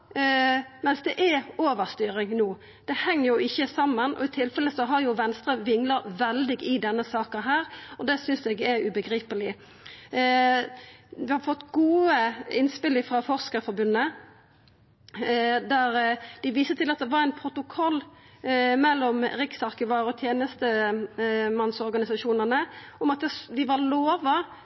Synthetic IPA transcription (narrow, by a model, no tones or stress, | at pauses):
mɛnsd̪ɛʔɛoːʋəɾst̪yːɾɪŋnuː | d̪̥ɛhɛŋːəʁjʊɪçːəsɑmːənʔɔ̰ɪt̪ʰɪlfɛlːəsɔɦɑɾjʊʋɛnst̪ɾəʋɪŋləɾʋɛld̪ɪɡɪd̪ɛnːəsɑːkənɦæːɾɔd̪ɛsʏnsɛɡɛɾʉbəɡɾiːpəlɪ | ʋɪhɑfɔt̪ːɡuːəɪnspɪlːəfʁɑfɔʁskəɾfɔɾbʉnːə | d̪æɾd̪ɪʋiːsət̪ʰɪlɑt̪̚d̪ɛʋɑɾæɪnpʰɾʊt̪ʊkʰɔlː | mɛlːɔmɾɪksɑɾkəʋɑːɾɔt̪ʰjeːnəst̪ə | mɑnsɔɾɡɑnɪsɑʃuːnəʁnə | ʊmɑt̪̚d̪ɛd̪ɪʋɑloːʋɑ